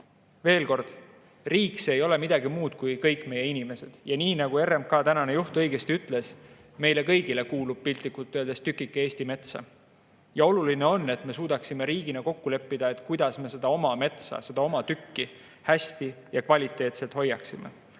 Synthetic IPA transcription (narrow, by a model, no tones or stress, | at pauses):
ve̞ːlko̞rd̪̥ | riːksejo̞lemid̪̥ɑɡimuːt̪kujkɤjkːˑme̞jːe̞inime̞se̞d̪̥jɑniːnɑɡ̥ue̞rːemkɑːt̪ænɑne̞juht̪ɤ̞jɡ̥e̞st̪iyt̪ˑle̞s | me̞jle̞kɤ̞jɡile̞kuːlub̥̚pilt̪ːˑikult̪ːˑøld̪est̪ykːˑikːˑee̞ːsʲt̪ime̞t̪sɑ̰ | jɑo̞luline̞o̞nːe̞t̪me̞suːd̪̥ɑksime̞ɾiːɡ̥inɑko̞kːule̞pːid̪ɑe̞t̪ˑkujd̪̥ɑsme̞se̞d̪̥ɑo̞mɑme̞t̪sɑ̰se̞d̪ɑo̞mɑt̪ykːi | hæsʲt̪i | jɑkvɑlʲit̪ˑːe̞ːt̪se̞lt̪ho̞jːɑksime̞̰